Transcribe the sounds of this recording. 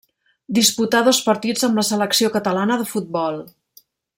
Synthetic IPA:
d̪isput̪aðospəɾt̪id͡zəmləsələksiokət̪əlanəðəfut̪̚bɔlˠ

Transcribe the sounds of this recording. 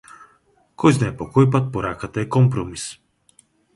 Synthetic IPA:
kɔjznaɛpokɔjp̬at̪̚poɾakət̪əɛkɔmpɾɔmis

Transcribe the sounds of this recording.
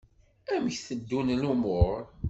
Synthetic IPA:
æmçθəd̪ːunlumʊɾ

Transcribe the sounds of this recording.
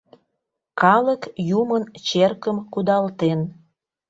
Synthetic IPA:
kɑləkjumənt͡ɕerkəmkud̪ɑlt̪en

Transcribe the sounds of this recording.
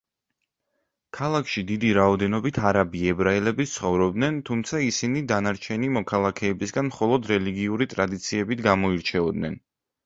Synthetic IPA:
kʰalˠakʰʃid̪id̪iɾaɔd̪ɛnɔbit̪ʰaɾabiɛbɾaɛlɛbit̪sʰχɔvɾɔbd̪nɛnt̪ʰumt̪sʰaisinid̪anaɾt͡ʃʰɛnimɔkʰalˠakʰɛːbisɡanmχɔlˠɔd̪ɾɛliɡiuɾit̪ʼɾad̪it̪sʰiɛbit̪ɡamɔiɾt͡ʃʰɛɔd̪nɛn

